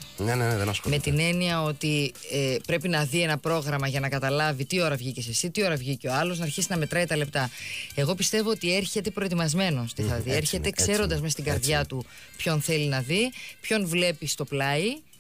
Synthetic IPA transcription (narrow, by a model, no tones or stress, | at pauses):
nenenðɐsmet̪ine̞niɐo̞t̪i | epɾe̞pinɐðie̞nɐpɾo̞ɣɾɐmɐʝɐnɐkɐt̪ɐlɐvit̪io̞ɾɐvʝicese̞sit̪io̞ɾɐvʝiceo̞ɐlo̞znɐːɾçisinɐme̞t̪ɾɐit̪ɐle̞p̚t̪ɐe̞ɣo̞pist̪e̞vo̞ot̪ie̞ɾçe̞t̪e̞pɾo̞et̪imɐzme̞no̞st̪iθɐðieɾçe̞t̪ekse̞ɾo̞nd̪ɐzmest̪iɡɐɾðʝɐt̪u | pço̞nθe̞linɐðipço̞nvle̞pist̪o̞plɐi